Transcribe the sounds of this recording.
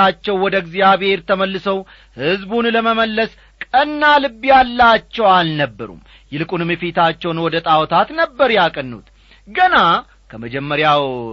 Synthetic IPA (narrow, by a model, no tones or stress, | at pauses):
at͡ʃːɛwːɔd̪əɡzijaβhe̞ɾt̪ʰəməlːɨsəw | hɨzbunləməməlːəs | kʼənːalɨbːijalːat͡ʃːɛwalnəbːəɾṵm | jɛlɨkʼunɨmjɛfet̪ʰat͡ʃːɛwnwɔd̪ət̪ʼawɔt̪ʰat̪nəbːəɾjakʼənːṵt̪ | ɡəna | kʰəməd͡ʒɛmːəɾjaw